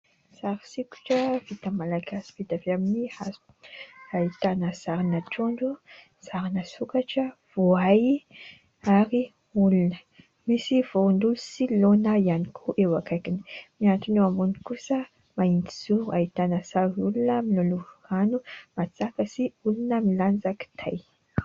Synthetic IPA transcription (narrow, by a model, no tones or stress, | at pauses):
saɾisiku̥ʈ͡ʂəvit̪amalaɡasi̥vit̪aveaminihaz | ait̪anəzaɾinaʈ͡ʂoɳɖ͡ʐu | z̥aɾinəsukaʈ͡ʂə | v̥oaj | aɾi | ulunə | misiv̥ond̪ulusilonaianikʰoʔewakajkini̥miant̪unuamunikusə | maind̪i̥z̥uait̪anəsaɾiulunəmiloluhanumat͡sakəsiulunəmiland͡zaki̥t̪ʰaj